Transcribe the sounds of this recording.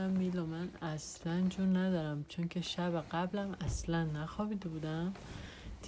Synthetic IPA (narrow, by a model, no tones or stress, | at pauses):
æmːiːlɒmænæslænd͡ʒuːɾnæd̪ɒːɾæmt͡ʃʰoŋcʰeʃæbæɢæblæmæslænːæxɒːbid̪ebuːd̪æm | d̪ʰ